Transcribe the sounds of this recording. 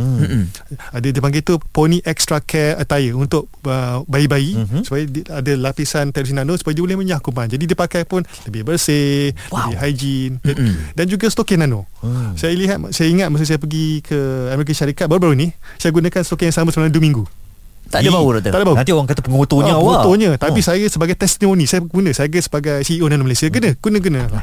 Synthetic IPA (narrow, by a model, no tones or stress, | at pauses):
adadipaŋɡajt̪uponĩʔɛk̚st̪ɾakʰɛət̪ajəunt̪ʊk̚əbaibaisu̥pajiadəlapisant̪aɾisinãnõsu̥pajdiəbolɛhmə̃ɲakumãnd͡ʒadidipakajpʊnləbɪhbərsɪləbɪhɦajd͡ʒindand͡ʒuɡast̪okinãno | sajaliɦat̪sajaiŋat̪̚mas̬sajapəɡikʰəamɛɾik̬əʃaɾikat̪̚baɾubaɾunisajaɡunãkanst̪okɛjaŋsamə̃səbəlamduəmĩŋɡu | t̪adabauɾad̪əadabaunãnt̪̬ioɾaŋkat̪apəŋot̪oɲə̃wot̪oɲə̃t̪apisajasəbaɡajt̪ɛst̪timõnĩsajəɡunə̃sajaɡəsəbaɡajsiionanõməlajsiaɡənə̃ɡ̥unə̃ɡənə̃